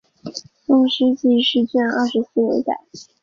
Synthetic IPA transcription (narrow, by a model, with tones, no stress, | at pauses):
tʊ˥˩ŋʂɻ̩˥t͡ɕi˥˧˩ʂɻ̩˥˧t͡ɕɛ˥˧nɑ˥˩ʂɻ̩˧˥sɹ̩˥˩wḛ˧˥ɪt̪a̰˥˩ɪ